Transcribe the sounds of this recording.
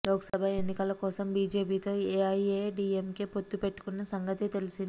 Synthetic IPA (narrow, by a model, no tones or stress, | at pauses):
lɔːkɐ̥sɐbʱɐe̞nːikɐlɐkɔːsɐmbiːd͡ʒe̞ːpiːt̪o̞ːeɐjeːɖiːemkepo̞t̪ːupe̞ʈːu̥kunːɐsɐŋɡɐt̪et̪elisind̪i